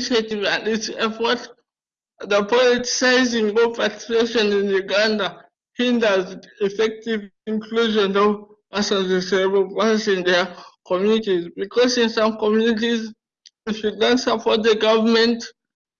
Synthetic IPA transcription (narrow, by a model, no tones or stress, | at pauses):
ʃetivadisɛfɔt | dəpɔliti̥saɪzĩŋɡopati̥eʃɔ̃nĩnjuɡãnda | hĩndəzifɛk̚tivĩŋkʰluʒɔ̃nɔ | asãnzesɛɹbəplãnsĩndɛkɔmjunitizbikʰɔsĩnsãmkɔmjunit̬iz | wiʃudɔ̃nsapɔt̚dəɡavəmɛ̃nt